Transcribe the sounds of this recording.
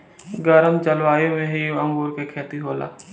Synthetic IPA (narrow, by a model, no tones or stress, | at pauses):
ɡəɾəmt͡ʃəlʋaːjõmẽɦiɐ̃ŋɡoːɾkekʰeːt̪iɦoːla̰ː